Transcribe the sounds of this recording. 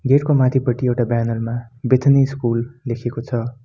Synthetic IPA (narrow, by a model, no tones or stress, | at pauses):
ɡeʈkomãt̪ʰipʌʈiewʈabjanolmabet̪ʰniskulːekʰekot͡sʰʌ